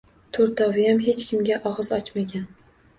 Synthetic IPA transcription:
t̪ʰoɾt̪ʰɒvɪjamɦet͡ʃkʲʰɪmɡʲaʔɒʁɨzɒt͡ʃmaɡʲan

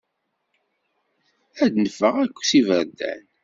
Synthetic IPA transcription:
æd̪nəfːəʁækʷːsivəɾd̪æ̰n

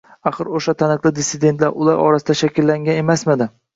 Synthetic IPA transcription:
aχɨɾoʃat̪ʰanɨqlˠɪd̪ɪsɪd̪e̞nt̪laɾʊlˠaɾʔɒ̰ɾasɪd̪aʃakʲɪlːaŋɡʲane̞masmad̪ɪ

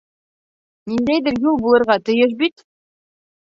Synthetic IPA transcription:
nind̪æjðɘ̆ɾjulˠbulˠɤ̆ɾʁɑt̪ɤ̆jɤʃ̬bit̪

